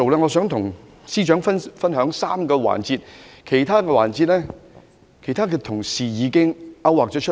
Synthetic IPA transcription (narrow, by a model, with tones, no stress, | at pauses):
o˨wlɛː˥ŋɔː˨˧sœː˨˥ŋt̪ʰʊ˨˩ŋ | siː˥t͡ʃœː˨˥ŋfɐ˥nfɐ˥nɦœː˨˥ŋsaː˥mkɔː˧wa̰ː˨˩nt͡siː˧t̚kʰe˨˩jt̪ʰaː˥kɛː˧waː˨˩nt͡siː˧t̚lɛː˥ | kʰe˨˩jt̪ʰaː˥k̬ɛː˧t̪ʰʊ˨˩ŋsiː˨jiː˨˧˥kɪ˥ŋʔɐ˥waː˨k̚t͡ʃɔː˨˥t͡ʃʰ